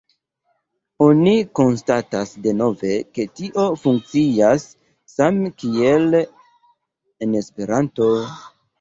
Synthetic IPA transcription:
o̞niko̞nstatasde̞no̞ve̞ke̞tiʔo̞fuŋk̚t͡siasː | amkiel | ene̞spe̞ɾanto̞

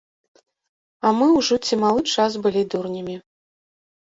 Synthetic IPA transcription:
ɐmɨwʐɔt͡sʲimalˠɨt͡ʂas̬bɨlʲid̪urnʲimʲi

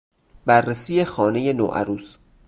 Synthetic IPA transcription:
bærːesiːje̞xɒːne̞je̞no̰ːʔæ̰ɾuːs

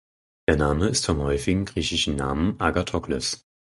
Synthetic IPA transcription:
d̥eːɐnaːməɪstfɔmhɔʏfɪɡŋ̩ɡʁiːçɪʃn̩na̰ːmənʔaɡatʰɔklɔ̰s

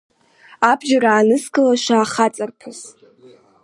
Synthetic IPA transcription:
abʒaraːnɨskʼɨlaʃʷaːχat͡sʼarpʰɨz

